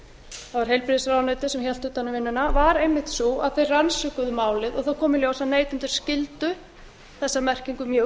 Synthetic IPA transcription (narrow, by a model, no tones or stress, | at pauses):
θavaɾ̥ɦejlpɾiðɪsɾawnœːt̪ɪsɛmçjal̥t̪ʏːt̪anːʏmvɪnːʏnavaɾejmːɪht̪suaðθejrransʏkʏðʏmaːwlɪðɔɣθawkʰɔːmɪljowsaneːjt̪ʏnt̪ʏɾ̥scɪlt̪ʏ | θɛsːamɛr̥ciŋkʏmjœː